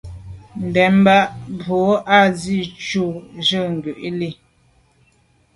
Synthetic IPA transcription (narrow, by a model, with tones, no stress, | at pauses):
m̩˨bɛ˨m˦ba˦ʔbo˨˦a˦˨zi˦˨t͡ʃu˦˨ʒə˦˨ŋ̩˨ɡʉ˨ʔi˦li˦˨